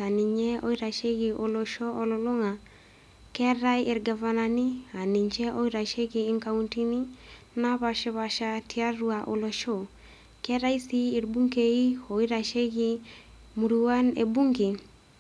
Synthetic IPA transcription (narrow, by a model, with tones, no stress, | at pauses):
a˨ni˨ɲe˦o˦i˦ɾa˨ʃe˦ɡi˨ʔo˨lo˨ʃoː˦˨lo˨lo˦ŋa˨ | kɛ˦ɾa˦jɪ˨ɾɡa˨va˨na˨ni˦a˨ni˨ɲd͡ʒe˦o˦i˦ɾa˨ʃe˦kiː˨˦ŋka˦wunti˦ni˦ | na˦βa˨ʃi˦βa˨ʃa˦tia˦ɾu˦a˨ʔo˨lo˨ʃo˦˨ | kɛ˦ɾa˦i˦siː˦˨ɾbu˦ŋɡe˨i˦o˨i˦ɾa˨ʃe˦ɡi˦ | mu˨ɾu˨wa˦nḛ˨bu˦ŋɡi˨